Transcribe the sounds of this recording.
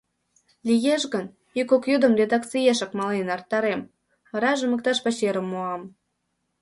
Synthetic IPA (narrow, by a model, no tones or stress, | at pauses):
lʲijeʃɣən | ikokjud̪ə̆mred̪ɑkt͡sijeʃə̆kmɑlenɑrt̪ːɑɾem | ɑɾɑʒə̆mə̆k̚t̪ɑʃpɑt͡ɕeɾə̆mːoɑm